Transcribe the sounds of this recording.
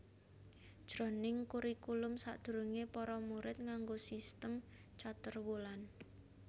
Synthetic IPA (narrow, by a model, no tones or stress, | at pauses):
d̥ʒ̥ɾo̤nɪŋkuɾikulʊmsa̰d̪̥ṳɾuŋepɔɾɔmuɾɪt̪̚ŋaŋɡosist̪əm | t͡ʃat̪ərwolan